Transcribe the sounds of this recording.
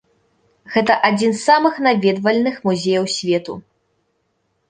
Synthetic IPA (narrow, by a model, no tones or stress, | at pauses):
ɣɛt̪ɐʔad͡zʲinsːamɨxnavʲɛd̪vɐlʲnɨxmuzʲɛjɐwsʲvʲɛt̪ṵ